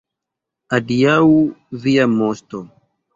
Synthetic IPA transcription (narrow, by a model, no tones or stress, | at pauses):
adiawviamosto